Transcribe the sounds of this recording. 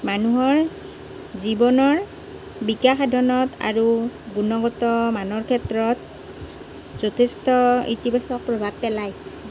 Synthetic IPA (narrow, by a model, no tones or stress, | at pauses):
manuɦɔɹ | zibɔnɔɹ | bikaxadʱɔnɔta̰ɹuɡunɔɡɔtɔmanɔɹkʰɛtɹɔt | zotʰestɔḭtibasɔk̚pɹobʱab̚pɛlajs